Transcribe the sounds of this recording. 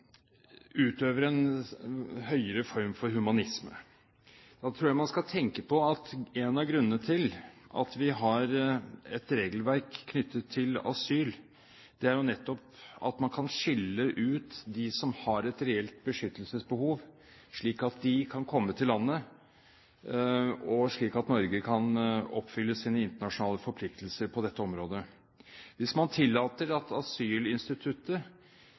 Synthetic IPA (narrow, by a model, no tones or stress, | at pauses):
ʉːt̪øːʋəɾɛn | hœʏəɾəfɔɾmfɔɾhʉmɑnɪsmə̰ | d̪̥ɑt̪ʰɾuːjæmɑnskɑlt̪ʰɛŋkəpʰɔɑt̪ɛnɑɡɾʉnːənət̪ʰɪlʔɑ̰t̪ʋɪɦɑɾɛt̪ɾeːɡlʋæɾkʰːnʏt̪ːət̪ʰːɪlɑ̰syːl | d̪̥ɛæɾjʊnɛt̪ːɔpɑ̰t̪mɑnkʰɑnʂɪlːəʔʉːt̪d̪ɪsɔmhɑɾɛt̪ɾɛɛlt̪̚bəʂʏt̪ːəlsəsbəhuːʋ | ʂɭiːkɑt̪̚d̪ɪkʰɑnkʰɔmːət̪ʰɪlːɑnːə | ɔʂɭiːkɑt̪nɔɾɡəkʰɑnɔpːfʏlːəsiːnəɪnt̪əɳɑʂʊnɑːləfɔɾpʰlɪk̚t̪ʰəlsəɾpʰɔd̪ɛt̪ːəɔmɾoːd̪ə | ʋɪsmɑnt̪ʰɪlːɑːt̪əɾɑt̪ɑsyːlɪnst̪ɪt̪ʰʉt̪ːə